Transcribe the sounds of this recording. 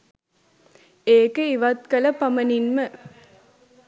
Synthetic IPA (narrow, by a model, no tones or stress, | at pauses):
eːkɯiʋɐt̪̚kɐlɐpɐmɐninmə